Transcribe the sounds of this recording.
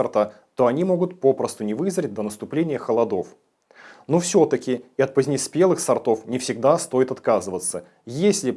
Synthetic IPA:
ɐrt̪a | t̪o̞ɐnʲimo̞ɡʊt̪̚po̞pɾəst̪ʊnʲɪvɨzɾʲɪt̚ʲd̪ənəst̪ʊplʲenʲɪjəxəlˠɐd̪o̞f | nufsʲo̞t̪əkʲɪɪɐt̪̚pəzʲnʲɪspʲe̞lˠɨxsɐrt̪o̞fnʲɪfsʲɪɡ̚d̪ast̪o̞jɪt̪at̪kazɨvət̪sə | jesʲlʲɪ

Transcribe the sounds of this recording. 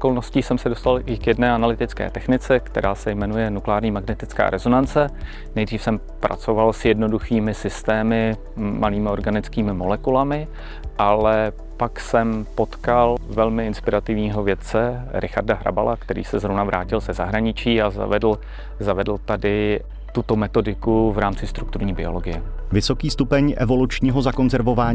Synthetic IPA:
ʔo̥ko̞lnosciːsɛmsɛdost̪alʔɪkjɛdnɛːanalɪt̪ɪt͡skɛ̰ːt̪ɛxnɪt͡sɛkt̪ɛɾʔaːsɛjmɛnujɛnuklɛaːɾɲiːmaɡnɛt̪ɪt͡ska̰ːɾʔɛzo̞nant͡sɛ | nɛjd̪riːfsɛm | pɾʔa̰t͡so̞valsjɛdno̞duxiːmɪsɪst̪ɛːmɪ | maliːmɪo̞ɾɡanɪt͡skiːmɪmolɛkulamɪ | ʔalɛ | paksɛmpot̪kalvɛlmɪɪnspɪɾat̪ɪvɲiːɦo̞vjɛt̪t͡sɛɾʔɪxa̰rdaɦɾʔa̰ba̰lakt̪ɛɾḭːsɛzɾovnavɾʔa̰ːcɪlz̥ɛzaɦɾaɲɪt͡ʃiːaza̰vɛdl̩ | zavɛdl̩t̪adɪ | t̪ut̪o̞mɛt̪o̞dɪkuvɾaːmt͡sɪst̪ɾukt̪uɾɲiːbɪ̰o̞lo̞ɡɪjɛvɪso̞kiːst̪upɛɲʔɛvo̞lut͡ʃɲiːɦo̞zako̞nzɛɾvo̞vaːɲ

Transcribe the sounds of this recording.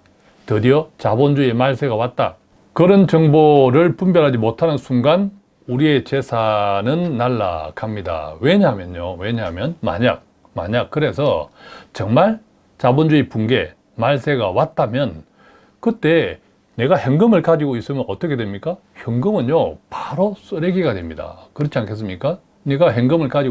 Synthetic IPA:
tɯdiʌt͡ɕabond͡ʑuemaɭs͈ʰe̞ɡawat̚t͈a̰ | kɯɾʌnt͡ɕʌŋboɾɯɭpumbjʌɾɦad͡ʑimotʰanɯnsʰuŋɡan | uɾie̞t͡ɕe̞sʰanɯnːaɭːa̰kʰamɲida̰weɲamjʌnowe̞ɲamjʌnma̰ɲa̰k̚ | ma̰ɲak̚kɯɾe̞sʰʌt͡ɕʌŋmaɭ | t͡ɕabond͡ʑuipuŋɡe̞ | maɭs͈ʰe̞ɡawat̚t͈amjʌn | kɯt͈e̞ | ne̞ɡaheŋɡɯmɯɭkad͡ʑiɡois͈ɯmjʌnʌt͈ʌkʰe̞dwemɲik͈a | çjʌŋɡɯmɯnɲopaɾos͈ɯɾeɡiɡadwe̞mɲida̰kɯɾʌt͡ɕʰiankʰe̞s͈ɯmɲik͈a | ne̞ɡaɦeŋɡɯmɯɭkad͡ʑi

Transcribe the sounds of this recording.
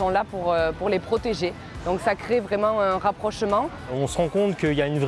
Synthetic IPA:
ɔ̃lapuʁøpuʁlepχɔt̪eʒe | d̪̥ɔ̃ksakχevʁɛmɑ̃ɛ̃ɛ̃ʁapχɔʃmɑ̃ | ɔ̃səʁɑ̃kɔ̃t̪kəiljaynvʁ

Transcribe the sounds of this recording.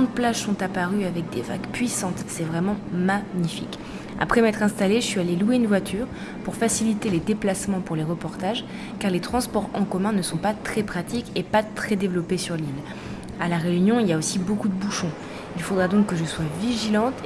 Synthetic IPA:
ɑ̃d̪̚plaʒsɔ̃t̪apaʁyavɛk̚d̪eva̰ɡpɥisɑ̃t̪sɛvʁɛmɑ̃maɲifḭk | a̰pχɛmɛt̪χɛ̃st̪aleʒəsɥialelueynvwat̪ʰyːʁ | puʁfasilit̪eled̪eplasmɑ̃puʁleʁəpɔʁt̪aʒ | kaʁlet̪χɑ̃spɔʁɑ̃kɔmɛ̃nəsɔ̃pat̪χɛpχat̪ikepat̪χɛd̪evlɔpesyʁlil | alaʁeynjɔ̃iljaosibokud̪əbuʃɔ̃ | ilfod̪ʁad̪ɔ̃kːəʒəswaviʒilɑ̃t̪

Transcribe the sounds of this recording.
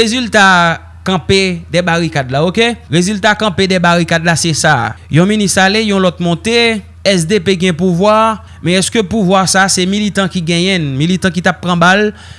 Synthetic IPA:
ezylt̪a | kɐ̃pedɛbaɣikadlaokeɣezylt̪akɐ̃pedɛbaɣikadlasɛsajɔ̃ministalejɔ̃lɔt̪̚mɔ̃t̪e | ɛsd̪epeɡɛ̃puvwa | mɛ̃ɛskøpuvwasasɛmilit̪ãkiɡɛ̃jɛ̃nmilit̪ãkit̪ap̚pːʁãbal

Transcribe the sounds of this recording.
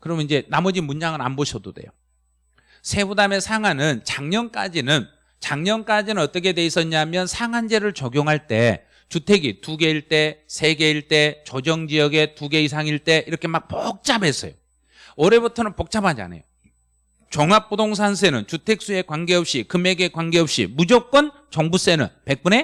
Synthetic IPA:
kɯɾʌmnind͡ʑe̞namʌd͡ʑimund͡ʑaŋɯɾa̰nboɕʰʌdode̞̰jo̰ | sʰe̞budame̞sʰaŋanɯnt͡ɕaŋɲʌnk͈ad͡ʑinɯn | t͡ɕaŋɲʌnk͈ad͡ʑinɯnʌt͈ʌkʰe̞dwe̞is͈ʌɲaɦmjʌnsʰaŋand͡ʑe̞ɾɯɭt͡ɕʌɡjoŋɦaɭt͈e̞̰ | t͡ɕutʰe̞ɡituɡe̞iɭt͈e̞sʰe̞ɡe̞iɭt͈e̞t͡ɕod͡ʑʌŋd͡ʑijʌɡe̞tuɡe̞is̬ʰaŋiɭt͈e̞ʔiɾʌkʰe̞mak̚pok̚t͡ɕ͈abɦe̞s͈ʌ̰jo | ʌɾe̞butʰʌnɯnpok̚t͡ɕ͈abad͡ʑia̰na̰jo | t͡ɕʌŋɦak̚p͈udoŋs̬ʰansʰe̞nɯnt͡ɕutʰe̞k̚s͈ue̞kwanɡe̞ɦʌp̚ɕ͈ikɯme̞ɡe̞kwanɡe̞ɦʌp̚ɕ͈ḭmud͡ʑok͈̚wʌn | t͡ɕʌŋbus͈e̞nɯ̰npe̞k̚p͈une̞

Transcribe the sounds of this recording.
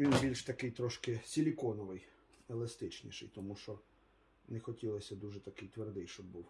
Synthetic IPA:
ʋʲinbʲilʲʃt̪ɐkɪjt̪ɾɔʃkɪsʲilʲikɔnɔʋɪj | ɛlˠɐst̪ɪt͡ʃnʲḭʃɪ̰jt̪ɔmuʃɔ | nɛxɔtʲilˠɐsʲɐd̪uʒɛt̪ɐkɪjt̪ʋerd̪ɪjʃt͡ʃɔbbuw

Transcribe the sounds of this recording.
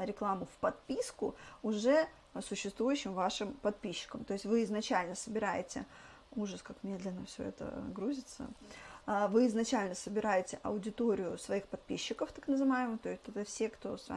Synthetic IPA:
ɾʲɪklˠamʊfpɐt̪̚pʲiskʊʊʐɛ | sʊɕːɪst̪vujʉɕːɪmvaʂɨmpɐt̪̚pʲiɕːɪ̥kəmt̪o̞ɪsʲtʲvɨɪznɐt͡ɕælʲnəsəbʲɪɾajɪtʲɪ | uʐəskakmʲe̞d̪lʲɪnːəfsʲɵ̰ɛ̰t̪ə̰ɡɾuzʲɪt̪sə̰ | vɨɪznɐt͡ɕælʲnəsəbʲɪɾajɪtʲɪʔɐʊdʲɪt̪oɾʲɪjʊsvɐixpɐt̪̚pʲiɕːɪkəft̪aknəzɨvajɪmət̪o̞ɪsʲtʲɛt̪əfsʲe̞kt̪o̞sva̰

